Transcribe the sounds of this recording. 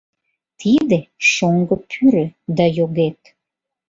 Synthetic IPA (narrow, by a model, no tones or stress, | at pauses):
t̪ʰid̪eʃoŋɡəpʰyɾød̪ɑjoɣet̪